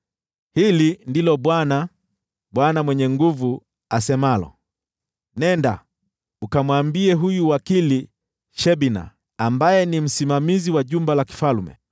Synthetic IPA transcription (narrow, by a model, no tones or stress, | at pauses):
hilindilɔɓwana | ɓwanamwɛɲɛŋɡuvu | asɛmalɔ̰ | nɛnda̰ | ukamwambiɛɦujuwakili | ʃɛɓina̰ | ambajɛnim̩simamiziwaʄumbalaki̥falumɛ̰